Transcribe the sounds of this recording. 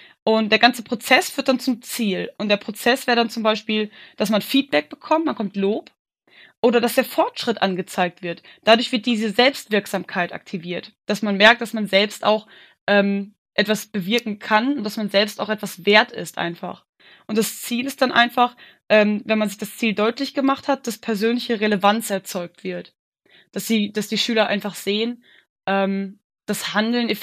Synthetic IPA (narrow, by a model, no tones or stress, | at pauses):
ʔʊnt̚d̥eːɐɡant͡səpʁ̥ot͡sɛsfyːɐt̚d̥ant͡sʊmt͡siːlʔʊntd̥eːɐpʁ̥ot͡sɛsv̥ɛːʁdant͡sʊmbaɪʃpiːld̥asmanfiːt̚b̥ɛk̚b̥əkʰɔmtmankʰɔmtloːp | ʔoːɾɐdasd̥eːɐfɔɐtʃʁ̥ɪtʔa̰nɡət͡saɪk̚tv̥ɪɐt | d̥adʊɐçv̥ɪɐt̚d̥iːzəzɛlpstv̥ɪɐkz̥aːmkʰaɪtʔa̰k̚tʰiviːɐtd̥asmanmɛɐk̚t̚d̥asmanzɛlpsta̰ʊx | ʔɛːm | ʔɛtv̥asb̥əvɪɐkŋ̩kʰanʊntd̥asmanzɛlpstaʊxʔɛtv̥asv̥eːɐtɪ̰stʔa̰ɪnfa̰χ | ʔʊnt̚d̥ast͡siːlɪstd̥anʔa̰ɪnfaχ | ʔɛːmvɛnmanzɪçd̥ast͡siːldɔʏtlɪçɡ̥əmaχthat̚d̥aspʰɛɐzøːnlɪçəʁeləvant͡sɛɐt͡sɔʏk̚tv̥ɪɐt | d̥asz̥iːd̥asd̥iːʃyːlɐʔa̰ɪnfaχz̥eːən | ʔɛːm | d̥ashandl̩nɛ